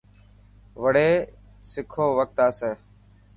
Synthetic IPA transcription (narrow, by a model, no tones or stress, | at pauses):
ʋəɽeː | sɪkʰoːʋək̚t̪aːseː